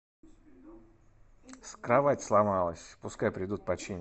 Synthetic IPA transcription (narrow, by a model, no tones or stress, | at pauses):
skɾavatʲslˠamalˠəsʲpʊskajpɾʲɪd̪ut̪̚pɐt͡ɕenʲ